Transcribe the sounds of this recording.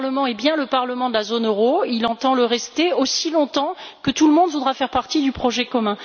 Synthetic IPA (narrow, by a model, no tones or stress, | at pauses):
ʁləmɑ̃ɛbjɛ̃ləpaʁləmɑ̃d̪əlazonøʁoilɑ̃t̪ɑ̃ləʁɛst̪eosilɔ̃t̪ɑ̃kət̪uləmɔ̃d̪vud̪ʁafɛʁpaʁt̪id̪ypχɔʒɛkɔmɛ̃